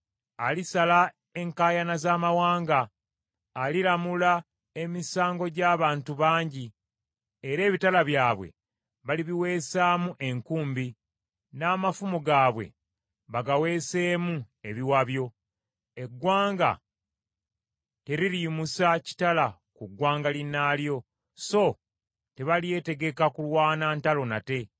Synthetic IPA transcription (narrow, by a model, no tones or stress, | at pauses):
alisala | e̞ŋkaːjanazaːmawaːŋɡaː | lilamula | e̞misaːŋɡo̞ɟaːβaːntuβaːɲɟi | e̞ɾe̞ːβitalaβjaːβwe̞̰ | βaliβiwe̞ːsaːmuʔe̞ŋkuːmbi | naːmafumuɡaːβwe̞̰ | βaɡawe̞ːse̞ːmu | e̞βiwaβjo̞ | e̞ɡwaːŋɡa̰ | te̞ɾiɾimusaci̥tala | kuɡwaːŋɡalinaːljo̞ | so̞ | te̞βalije̞te̞ɡe̞kakulwaːnaːntalo̞nate̞